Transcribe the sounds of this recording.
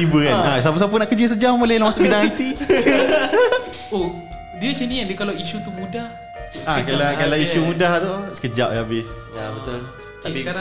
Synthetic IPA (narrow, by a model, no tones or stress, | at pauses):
ibəkanas̬ap̬əsap̬unaʔkəd͡ʒəs̬əd͡ʒammolelamãsəpidãŋajt̪i | o | diət͡ʃənĩandikalawiʃut̪umũdah | akalakalaiʃumũdaht̪ot͡ʃə̥kəd͡ʒaʔjabɪs | abət̪ʊl | ia